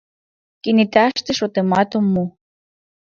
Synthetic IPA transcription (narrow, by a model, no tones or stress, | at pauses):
kinit̪aʃt̪ĕʃot̪emɑt̪omːu